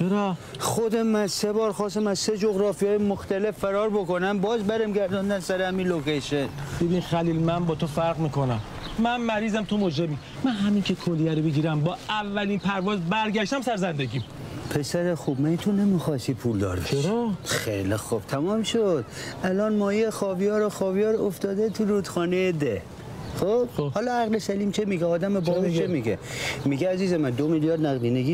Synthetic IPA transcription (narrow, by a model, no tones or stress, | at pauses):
t͡ʃʰeɾɒː | xod̪emænsebɒːɾxɒːsæmæzsed͡ʒoɣɾɒːfijɒːjemoxt̪ælefːæɾɒːɾbokonæmbɒːzbæɾemɟæɾd̪ɒnd̪ænsæɾehæmilokeʃenb̥ebiːnxæliːlmænbɒːt̪ʰofæɾɣmiːkʰonæm | mænmæɾiːzæmt̪ʰomod͡ʒɾebiː | mænɦæmiːŋkʰekʰolːijæɾobeɟiːɾæmbɒːʔævːæliːnpʰæɾvɒːzbæɾɟæʃt̪æmsæɾzænd̪eɟiːm | pʰe̞sæɾexubmænit̪ʰonemixɒst̪iːpʰuːld̪ɒ̰ɾbeʃɾxḛjlixob̥̚t̪ʰæmɒːmʃod̪̥ʔælɒːnmɒːjejexɒːbijɒːɾoxɒːvijɒːɾoft̪ɒːd̪et̪ʰuɾud̪xɒːnejed̪e | xob̥hɒːlɒæɣlesæliːmt͡ʃʰemiɡeɒːd̪æmebɒːzit͡ʃʰemiɡemiɡeæziːzemænd̪omiljɒːɾd̪næɣliːneɡiː